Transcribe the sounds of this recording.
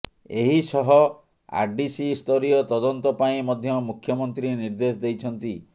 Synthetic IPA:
eɦisɔɦɔ | a̰ɾɖisist̪ʰɔɾiɔt̪ɔd̪ɔnt̪ɔpaĩmɔd̪ʱjɔmukʰjɔmɔnt̪ɾiniɾd̪es̬ɔd̪ejt͡ʃʰɔnt̪i

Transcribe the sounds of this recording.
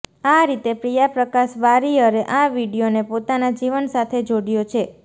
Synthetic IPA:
aɾit̪epɾijapɾəkaʃʋaɾiəɾeʔaʋiɽijonepot̪anad͡ʒiʋənsat̪ʰed͡ʒoɽijot͡ʃʰe

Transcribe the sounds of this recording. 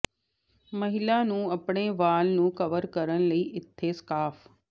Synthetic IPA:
mɐɦɪlanũːɐpɽ̃eʋaːlnũːkɐʋəɾkɐɾəɽ̃̆lɐiːʔɪt̪ʰːeskaːf

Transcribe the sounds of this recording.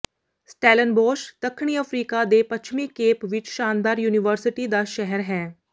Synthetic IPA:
sʈɛːlənboːʃt̪əkʰːɽ̃iːəfʰɾiːkad̪epət͡ʃʰmikeːpʋɪt͡ʃʃaːnd̪aːɾjuːnɪʋəɾsɪʈid̪aːʃɛɦəɾɦɛː

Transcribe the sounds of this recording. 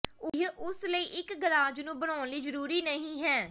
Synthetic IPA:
ʊɦʔʊsləiːʔɪkɡəɾaːd͡ʒnũːbəɽaːnliːzəɾuːɾiːnəɦĩːɦɛː

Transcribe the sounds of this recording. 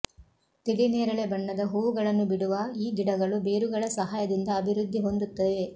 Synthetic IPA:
t̪iɽineːɾɐɭe̞bɐɳːɐd̪ɐɦuːʋuɡɐɭɐnːubiɽuʋɐiːɡiɽɐɡɐɭube̞ːɾuɡɐɭɐsɐɦaːjɐd̪ind̪ɐːbʱiɾud̪ʱːiɦo̞nd̪ut̪ːɐʋe

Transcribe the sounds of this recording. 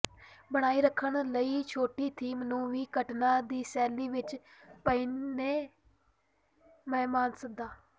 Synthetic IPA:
bəɽ̃aːiːɾəkʰːəɳləiːt͡ʃʰoːʈiːt̪ʰiːmnuːʋiːkəʈnaːd̪iːsɛːliːʋɪt͡ʃpəiːneː | mɛːmaːnsək̚d̪aː

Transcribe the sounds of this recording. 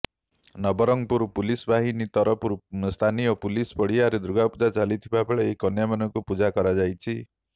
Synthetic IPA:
nɔbɔɾɔŋpuɾpulisbaɦinit̪ɔɾɔpuɾst̪ʰanijɔpulispɔɽiaɾed̪ɾuɡapud͡ʒat͡ʃalit̪ʰibabeɭaekɔnjamanɔŋkupud͡ʒakɔɾad͡ʒajt͡ʃʰi

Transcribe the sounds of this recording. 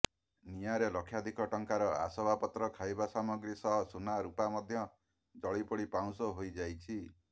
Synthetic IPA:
nijaɾelɔkʰːjad̪ʱikɔʈɔŋkaɾɔa̰sɔbʱapɔt̪ɾɔkʰajbasamɔɡɾisɔɦɔsunaɾupamɔd̪ʱjɔ | d͡ʒɔɭipɔɽipaw̃sɔɦojd͡ʒajt͡ʃʰi

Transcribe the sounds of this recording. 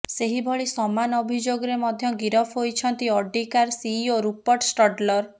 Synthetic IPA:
seɦibʱɔɭisɔmanɔbʱid͡ʒoɡɔɾemɔd̪ʱjɔɡiɾɔpʰɦojt͡ʃʰɔnt̪iɔɖikaɾsioɾupɔʈsʈɔɖlɔɾ

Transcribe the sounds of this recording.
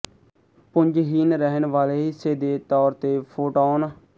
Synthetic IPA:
pʊɲd͡ʒɦiːnɾɛɦənʋaːleːɦɪseːd̪eːt̪ɔːɾt̪eːpʰoːʈɔːnː

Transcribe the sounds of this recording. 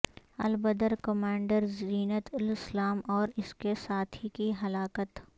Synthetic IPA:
ɐ̰lbəd̪əɾkɐmãːɳɖəɾziːnət̪ɪlɪslaːmɔːɾɪskesaːt̪ʰikiɦɐlaːkət̪

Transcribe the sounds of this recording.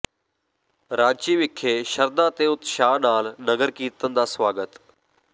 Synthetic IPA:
ɾaːd͡ʒt͡ʃiːʋɪkʰːeːʃəɾd̪ãːt̪eːʊt̪ʃaːnaːlnəɡəɾkiːt̪ə̃nd̪aːsʋaːɡət̪

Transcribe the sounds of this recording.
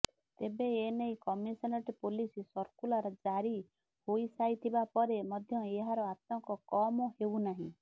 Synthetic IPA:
t̪ebeeneĩkɔmisɔnɔʈipolisisɔɾkulaɾɔd͡ʒaɾi | hoisait̪ʰibapɔɾemɔd̪ʱjɔeɦaɾɔat̪ɔŋkɔkɔmɔhewnaɦĩ

